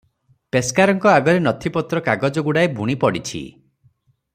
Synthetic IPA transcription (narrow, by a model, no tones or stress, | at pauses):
peskaɾɔŋkɔaɡɔɾenɔt̪ʰipɔt̪ɾɔkaɡɔd͡ʒɔɡuɽaebʱuɽ̃ipɔɽit͡ʃʰḭ